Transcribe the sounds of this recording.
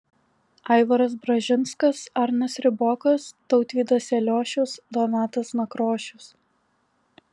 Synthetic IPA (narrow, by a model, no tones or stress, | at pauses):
ɐɪʋɐɾɐs̬bɾɐʒʲɪnskɐsɐɾʲnʲɐsɾʲɪboːkɐst̪ɒʊt̪ʲʋʲiːd̪ɐsʲɛlʲoːʃʲʊsd̪ɔnʲɑːt̪ɐsnɐkɾoːʃʲʊs